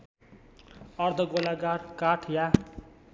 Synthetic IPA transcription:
ʌrd̪ʱʌɡolaɡarkaʈʰja

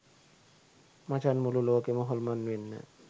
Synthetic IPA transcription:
mat͡ɕʰanmuloloakemɔɦɔlmanːenːa̰

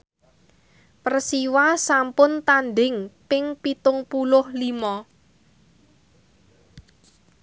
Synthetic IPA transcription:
pərsiwasampʊnt̪anɖɪŋpɪŋpit̪ʊŋpulʊhlimɔ

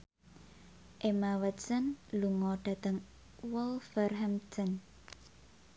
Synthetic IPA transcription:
ʔemawət̪sənluŋɔɖ̥a̤t̪əŋ | wɔlfərɦamt̪ən

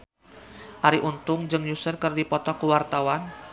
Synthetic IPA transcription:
ʔaɾiʔunt̪ʊŋd͡ʒəŋjusərkərdipɔt̪ɔkuwart̪awan

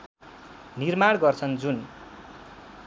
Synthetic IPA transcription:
nirmaɽ̃ɡʌrt͡sʰʌnd͡zun

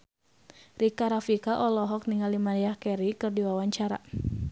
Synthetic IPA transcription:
rikaɾafikaʔɔlɔɦɔk̚niŋalimanjahkɛɾikɨrdiwawaɲt͡ʃaɾa̰

